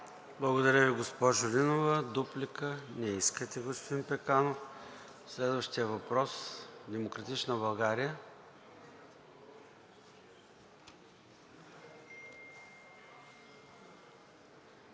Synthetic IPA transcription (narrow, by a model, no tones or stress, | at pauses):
blˠəɡod̪ɐɾʲəviɡospɔʒʊlinovəd̪uplikənɛiskət̪ɛɡospod̪inpɛkanof | slɛd̪vəʃt̪ijəvɐpɾɔsd̪ɛmokɾɐt̪it͡ʃnəbɐlˠɡaɾijə